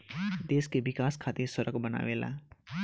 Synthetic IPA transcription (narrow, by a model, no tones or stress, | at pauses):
d̪eːskebɪkaːskʰaːt̪iɾsəɾəkbəna̰ːʋela̰